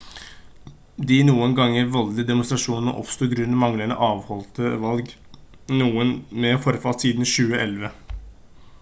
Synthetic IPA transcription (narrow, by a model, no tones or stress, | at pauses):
d̪ɪnuːənɡɑŋːəɾʋɔld̪əd̪ɛmʊnst̪ɾɑʂuːnn̩ə̰ʔɔ̰pst̪uːɡɾʉnːəmɑŋləɳə̰ʔɑːʋhɔlt̪əʋɑlɡ | nuːənmɛfɔɾfɑlt̪siːd̪n̩ʃʉːəʔɛlʋə